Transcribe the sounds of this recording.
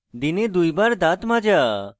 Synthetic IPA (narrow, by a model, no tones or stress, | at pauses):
d̪ined̪ujbaɾd̪at̪mãd͡ʒa